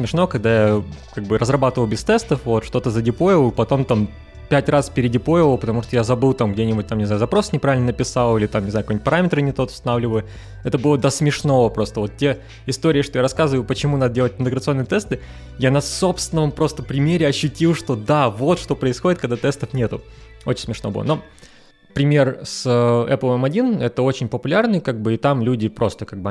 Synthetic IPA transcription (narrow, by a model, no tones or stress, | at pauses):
smʲɪʂnokɐɡ̚d̪ajakaɡ̚bɨrəzɾɐbat̪əɨvəlˠbʲɪst̪ɛst̪əfvo̞t̪ʂt̪o̞t̪əzədʲɪpojɪvəjpɐt̪o̞mt̪am | pʲætʲraspʲɪɾʲɪdʲɪpo̞jɪvəlˠpə̥t̪ɐmuʂt̪ojazɐbɨlˠt̪amɡdʲenʲɪbʊt̚ʲt̪amnʲɪznajʊzɐpɾo̞snʲɪpɾaɪlnənəpʲɪsalˠilʲɪt̪amnʲɪzaʊkojnʲːt̚ʲpɐɾamʲɪt̪ɾɨnʲɪt̪ot̪əʊst̪ɐnavlʲɪvəjʊ | ɛt̪əbɨlˠəd̪əsmʲɪʂno̞vəpɾo̞st̪əvo̞t̪tʲe̞ | ɪst̪oɾʲɪɪʂt̪ojaɾɐskazɨvəjʊpət͡ɕɪmunad̪ədʲelˠətʲɪnt̪ɨɡɾət̪sɨo̞nːɨət̪ɛst̪ɨ | janɐso̞pst̪vʲɪnəmpɾo̞st̪əpɾʲɪmʲeɾʲɪɐɕːʉtʲilˠʂt̪o̞d̪avo̞t̪ʂt̪o̞pɾəɪsxodʲɪt̪̚kɐɡ̚d̪at̪ɛst̪əfnʲet̪ʊ | ot͡ɕɪnʲsmʲɪʂnobɨ̰lˠə̰no | pɾʲɪmʲe̞rsɛ̰plˠɛmɐdʲinɛt̪əo̞t͡ɕɪnʲpəpʊlʲarnɨjkaɡ̚bɨit̪amlʲudʲɪpɾo̞st̪əkaɡ̚bɨɐ